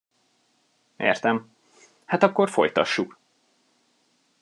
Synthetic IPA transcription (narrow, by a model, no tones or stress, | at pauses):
ʔḛːrt̪ɛm | hat̪ɒkːo̞rfo̞̰jt̪ɒ̰ʃːuk